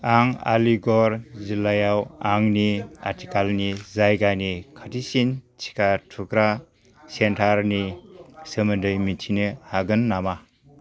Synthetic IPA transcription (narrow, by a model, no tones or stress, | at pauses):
aŋa̰liɡɔɾzilajawaŋnia̰ɾtʰikalnizajɡanikʰatisint͡ʃʰi̥katʰukɾa | sentʰaɾnisemɯndɯjmintʰinɯhaɡɯnːama